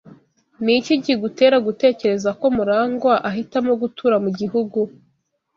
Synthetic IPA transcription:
niciɟiɡute̞ːɾaɡute̞ːce̞ɾe̞zako̞muɾaːŋɡwaʔaɦitamoɡutʰuɾamuɟihuɡu

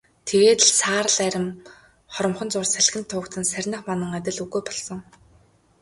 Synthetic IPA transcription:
t̪ʰeɣeːt̪ɮsaːɾə̆ɮæɾʲɪ̆m | χɔɾɞ̆mχɞ̆nt͡sʊrsæɮɣɘ̆nt̪ʰːʊːkt̪ɘ̆nsærʲnə̆χmanə̆ŋæt̪ʲɪ̆ɮuɣujpɔɮsɞ̆ŋ

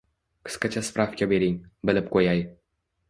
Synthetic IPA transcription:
qʰɨ̥sqɑt͡ʃʰaspɾʔafkʲabe̞ɾɪŋbɪlɪp̚qʰojaj

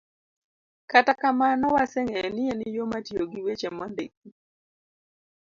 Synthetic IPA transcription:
katakamanɔwasɛŋɛnɪɛnɪjomatjoɡiwet͡ʃɛmɔndḛk̚i

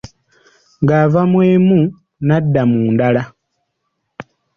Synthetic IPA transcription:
ŋɡavamweːmu | nadːamuːndala

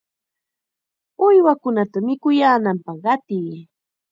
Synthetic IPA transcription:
ʊjwakʊnat̪amɪkʊjaːnampɑχɢɑt̪iː

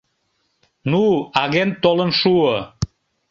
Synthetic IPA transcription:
nuɑɣent̪olənʃuə

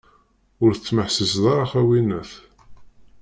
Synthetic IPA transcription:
ʊɾθət͡sːməħsəsðˤɑɾˤɑχæwinæθ

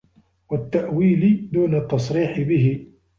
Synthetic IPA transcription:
wat̪ːaʔwiːlɪd̪uːnat̪ːɑsˤɾiːħɪbɪɦɪ

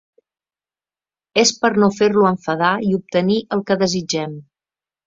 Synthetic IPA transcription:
espəɾnofeɾluəɱfəðaiup̚t̪əniʔəlˠkəðəzid͡ʒɛm

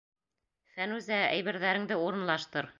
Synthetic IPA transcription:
fænʉzææ̰jβɘ̆ɾðæɾɘ̆ŋd̪ɘuɾɤ̆nlˠɑʃt̪ɤɾ

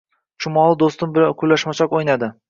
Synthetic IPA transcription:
ʃʊmɒlˠɪd̪ost̪ɪmbɪakʰʊlːaʃmat͡ʃʰɒkojnad̪ɪ

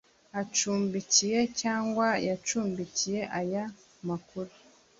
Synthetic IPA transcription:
at͡ʃuːmbicije̞caːŋɡwajat͡ʃuːmbicije̞ʔaja | makuɾu

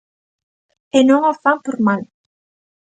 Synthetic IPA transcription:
enoŋafampoɾmal

